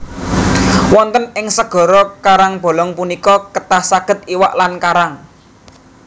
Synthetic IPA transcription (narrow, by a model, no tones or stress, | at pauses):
wɔnt̪ənɪŋsəɡ̥ɔ̤ɾɔkaɾaŋb̥ɔ̤lɔŋpunikɔkət̪ahsaɡ̥ə̤t̪̚iwaʔlankaɾaŋ